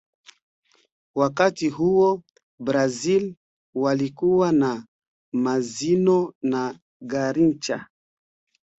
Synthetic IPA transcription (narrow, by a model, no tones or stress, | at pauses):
wakatiɦuɔ | bɾazil | walikuwana | mazinɔna | ɡaɾint͡ʃa̰